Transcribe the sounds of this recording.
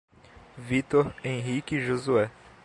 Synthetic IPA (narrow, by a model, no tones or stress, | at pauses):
vit̪oɾẽɦikiʒozuɛ